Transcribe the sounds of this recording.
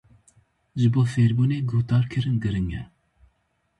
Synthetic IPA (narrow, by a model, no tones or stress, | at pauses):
ʒɨboːfeːɾbuːneːɡoht̪ɑːɾkʰɨɾɨnɡɨɾɨŋɛ